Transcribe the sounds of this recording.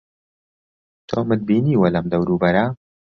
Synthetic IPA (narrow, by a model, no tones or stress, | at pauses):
t̪ʰo̰mɨd̪̚biːniːwɐlɐmd̪ɐwɾuːbɐɾɐ